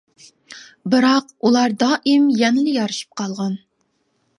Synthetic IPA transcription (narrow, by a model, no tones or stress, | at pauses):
bɨɾɑqulˠɑɾd̪ɑːʔɪmjɛnɪlɪjɑɾɨʃi̥p̚qʰɑlˠʁɑn